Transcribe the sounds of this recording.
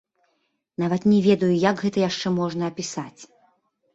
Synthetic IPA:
n̪avɐt̪nʲɛvʲɛd̪ɐjujaɡɣɛt̪ɐjaʂt͡ʂɛmɔʐnɐːpʲisat͡sʲ

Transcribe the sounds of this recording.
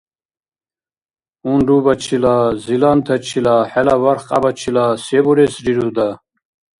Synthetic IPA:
unɖubat͡ʃʰilazilant̪ʰat͡ʃʰilaħɛlavaɾχqʼabat͡ʃʰilasɛbɔɾɛsɾiɾud̪a

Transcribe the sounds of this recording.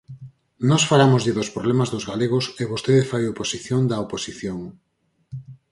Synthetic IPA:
nɔsfalamozʎɪðospɾoβlɛmazðozɣaleɣ̞oseβost̪eðɪfajoposiθjoŋd̪ɐoposiθjoŋ

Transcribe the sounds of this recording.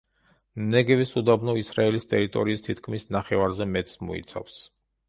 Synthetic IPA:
mnɛɡɛvisud̪abnɔisɾaɛlist̪ʼɛɾit̪ʼɔɾiːst̪ʰit̪ʰkʰmisnaχɛvaɾzɛmɛt̪ʼsmɔ̰ḭt̪sʰa̰fs

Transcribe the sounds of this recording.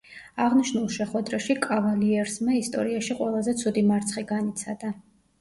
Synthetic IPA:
aʁniʃnulˠʃɛχwɛd̪ɾaʃikʼavaliɛɾsmaist̪ʼɔ̰ɾiaʃiqʼwɛlˠazɛt̪sʰud̪imaɾt̪sʰχiɡanit̪sʰad̪̥a

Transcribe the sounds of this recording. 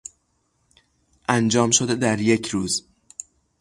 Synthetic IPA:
ʔænd͡ʒɒːmʃod̪ed̪æɾjecʰɾuːz

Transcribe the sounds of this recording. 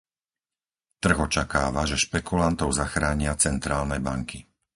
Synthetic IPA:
t̪r̩ɣɔt͡ʃakaːʋaʒɛʃpɛkulant̪ɔʊzaxɾaːɲɪat͡sɛnt̪ɾaːlnɛbaŋki

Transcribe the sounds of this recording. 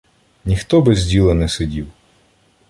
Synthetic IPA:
nʲixt̪ɔbɪzʲdʲilˠɐnɛsɪdʲiw

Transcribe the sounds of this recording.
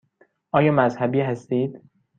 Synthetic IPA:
ʔɒːjɒːmæzhæbiːhæst̪iːd̪̥

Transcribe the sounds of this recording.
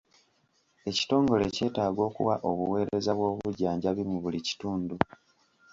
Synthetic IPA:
e̞ci̥to̞ːŋɡo̞le̞ce̞ːtaːɡo̞ːkṵwaʔo̞βuwe̞ːɾe̞zaβwo̞ːβuɟaːɲɟaβimuβulici̥tuːndu

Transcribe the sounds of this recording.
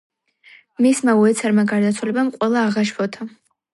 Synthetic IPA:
mismauɛt̪sʰaɾmaɡaɾd̪at̪sʰwalɛbamqʼwɛlˠaːʁaʃbʰɔt̪ʰa

